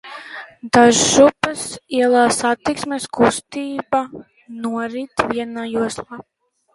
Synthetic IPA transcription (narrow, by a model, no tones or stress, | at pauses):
d̪aʒːupɨsiɛlˠaːsat̪iksmʲeskust̪iːba | nuɔɾit̪viɛnajuɔslˠaː